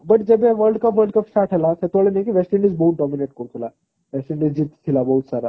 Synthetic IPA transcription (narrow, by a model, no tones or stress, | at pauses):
bɐʈ̚d͡ʒəbeʋəɾɖkəpʋəlɖkəpsʈaɾʈɦəlaset̪aɭenajkiʋɛsʈiɳɖizbəɦut̪̚ɖɔmineʈ̚koɾt̪ʰula | ʋɛsʈiɳɖizd͡ʑit̪t̪ʰilabəɦut̪saɾa